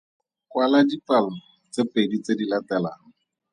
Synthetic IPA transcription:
kwalad͡ʒipalʊ | t͡sepedit͡sedilatɛlaɦʊ

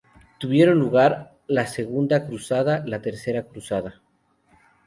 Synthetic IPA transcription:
t̪uβje̞ɾo̞nluɣaɾ | lase̞ɣund̪akɾusaðalat̪e̞ɾse̞ɾakɾusaða

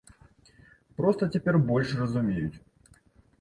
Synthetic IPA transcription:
pɾɔst̪ɐt͡sʲɛpʲɛrbɔlʲʂrɐzumʲejut͡sʲ

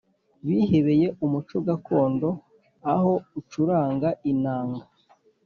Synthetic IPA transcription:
βihe̞βe̞je̞ʔumut͡ʃoɡako̞ːndo̞ | aho̞ut͡ʃuɾaːŋɡainaːŋɡa

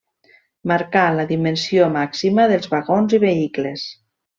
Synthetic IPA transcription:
maɾkaləðimənsiomaksiməðəlˠzβaɣonziβ̞eikles

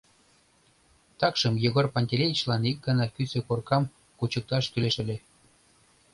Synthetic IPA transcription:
t̪ɑkʃəmjoɣorpɑnʲt̪ʲelʲejit͡ɕlɑnik̚ɡɑnɑkysekorkɑm | kut͡ɕək̚t̪ɑʃkyleʃə̆lʲe

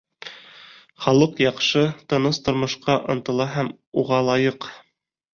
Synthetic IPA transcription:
χɑlˠɤqjɑqʃɤt̪ɤ̆nɤst̪ŏɾmŏʃqɑʔŏ̰nt̪ɤ̆lˠɑɦæm | uʁɑlˠɑjɤq

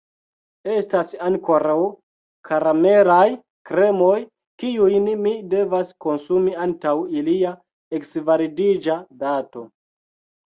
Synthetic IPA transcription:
e̞stasaŋko̞ɾaw | kʰaɾame̞ɾaj | kɾe̞mo̞j | kiujnmide̞vasko̞nsumiantawilia | eksvaɾidid͡ʒadato̞

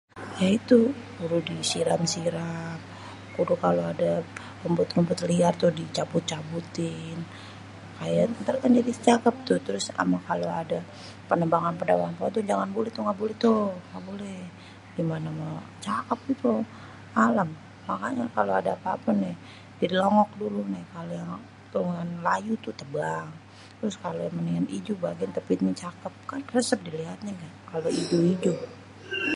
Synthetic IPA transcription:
jait̪ukuɾudisiɾamsiɾam | kudukaloada | pəmbʊt̪̚ŋəmbʊt̪liart̪ʊhdit͡ʃabut̪̚t͡ʃabut̪ɪn | kajat̪t̪ərkand͡ʒadit͡ʃakap̚t̪ʊht̪əɾʊsa̰makaloada | pənəmbaŋanpənabaŋanpaat̪ʊd͡ʒaŋanbolɛht̪ɔŋɡaʔbolɛt̪oŋɡaʔbolɛh | ɡimanamat͡ʃakəp̚ɡit̪u | alamː | akaɲakaloadapapanɪh | didilɔŋɔk̚dulunakalojaŋ | pəŋanlajut̪ut̪əbaŋ | t̪əɾʊskalojaŋməniŋanid͡ʒubaɡiant̪əpit̪ɲət͡ʃakəp̚kanrəsəp̚diliɦat̪̚ɲaɡakaloid͡ʒuid͡ʒu

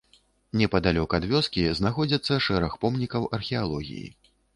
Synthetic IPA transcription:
nʲɛpɐd̪alʲɔkɐɐd̪vʲɔskʲiznaxɔd͡zʲɐt̪sːɐʂɛɾɐxpɔmnʲikɐwʔɐrxʲɛalˠɔɣʲḭjḭ

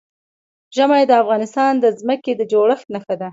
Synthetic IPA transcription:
ʒəmajd̪əafɣɑnɪst̪ɑnd̪əzməked̪əd͡ʒoɽəxt̪naxad̪a

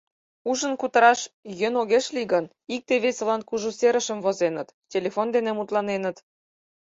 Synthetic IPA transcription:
uʒə̆nkut̪ə̆ɾɑʃjə̆noɣeʃliɣən | ik̚t̪eβesʲĕlɑnkuʒuseɾə̆ʃə̆mvozenət̪tʲelefond̪enemut̪lɑnenə̆t̪

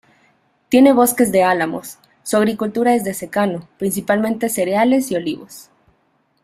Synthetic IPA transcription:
t̪je̞ne̞β̞o̞ske̞zðe̞alamo̞̰sː | uaɣ̞ɾikult̪uɾae̞zðe̞se̞kano̞pɾins̬ipalmẽnt̪e̞se̞ɾeale̞sio̞liβos

